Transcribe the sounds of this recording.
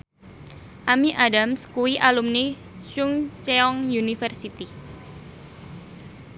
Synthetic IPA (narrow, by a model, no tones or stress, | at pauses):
ʔamiʔadamskuwiʔalumni | ʃuŋseɔŋjunifərsit̪i